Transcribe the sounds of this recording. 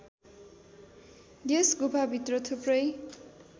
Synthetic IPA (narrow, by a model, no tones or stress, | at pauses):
desɡupʰabʱit̪rʌt̪ʰuprʌj